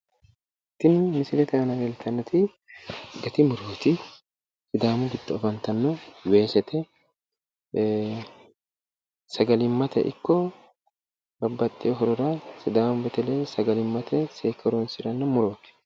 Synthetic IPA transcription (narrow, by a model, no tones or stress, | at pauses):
t̪ːɪnʊmɪsɪlɛt̪ɛɐnɐwɛlt̪ʰɐnːɐt̪ɪ | ɡɐt̪ɪmʊɾoːt̪ɪ | sɪd̪aːmʊbɪt̪ːɐɔfɐnt̪ɐnːɔweːsɛt̪ʰɛ | sɐɡɐlɪmːɐt̪ɛ̰ʔɪ̰kːɔ | bɐbːɐt̪ʼːɪɔɦɔɾɔɾɐsɪd̪aːmʊbɛt̪ɛleːsɐɡɐlɪmːɐt̪ʰɛseːkʰːɐɾoːnsɪɾɐnːɐmʊɾoːk̪ɛ̥